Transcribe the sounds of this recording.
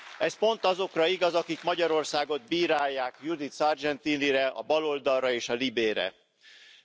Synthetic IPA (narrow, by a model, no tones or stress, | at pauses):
ɛspo̞nt̪ɒzo̞krɒiɡɒzɒkikmɒɟɒɾo̞rsaːɡo̞d̪̚biːɾaːjːaːkjud̪it̪sɒrd͡ʒɛnt̪iːniɾɛɒ̰bɒlo̞ld̪ɒlːɒeːʃɒlibeːɾɛ̰